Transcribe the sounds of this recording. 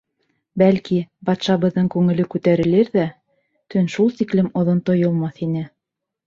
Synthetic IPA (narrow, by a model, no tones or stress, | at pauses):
bælkibɑt̪ʃɑβɤ̆ðːɤɴkʉŋɘ̆lɘkʉt̪æɾɘ̆lɘɾðæ | t̪ɵnʃulˠt̪iklɘmŏðont̪ojŏlˠmɑθinɘ